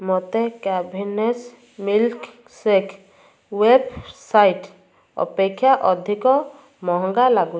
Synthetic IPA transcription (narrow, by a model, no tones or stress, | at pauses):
mɔt̪ekabʱines | milk | sekʰ | websajʈ | ɔ̰pekʰːjaʔɔd̪ʱikɔ | mɔɦɔŋɡalaɡu